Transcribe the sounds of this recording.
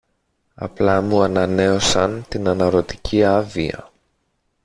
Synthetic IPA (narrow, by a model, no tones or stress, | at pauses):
ɐ̰plɐmuɐnɐne̞o̞sɐnt̪inɐnɐɾo̞t̪i̥cʰiɐviɐ̰